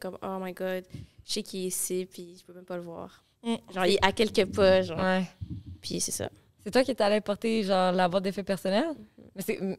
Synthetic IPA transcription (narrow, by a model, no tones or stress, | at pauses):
kɔmomajɡɑd̪ʒsɛkʰʲiesepʰɥiʒəpømɛ̃mpaləvwa̰ːʁ | m̩ʒɑ̃iʔakʲɛlkʲəpaʒɑ̃wɛpʰɥisɛsa̰ | sɛt̪wakʲit̪alɛpɔʁt̪eʒɑ̃ːʁlavwaʁd̪efɛpɛʁsɔnɛlmɛsɛ